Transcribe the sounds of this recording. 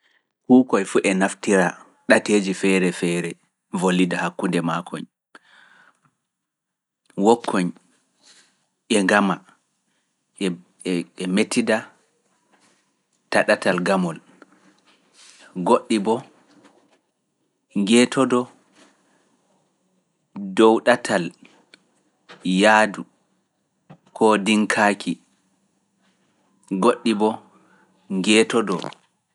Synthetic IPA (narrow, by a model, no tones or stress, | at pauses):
hukɔjfuʔɛnaftiɾa | ɗateːd͡ʒifɛɾɛfɛɾɛ | volːidahakːundɛmakʰɔ̰ɲ | wɔkʰːɔɲ | ʔɛŋɡama | ɛ | ɛmetʰːida | taɗatalɡamɔl | ɡoɗːibɔ | ŋɡɛːtɔdɔ | dɔwɗatʰal | jaːdu | kʰɔdiŋkʰaːkʰi | ɡoɗːibɔ | ŋɡɛːtɔdɔ̰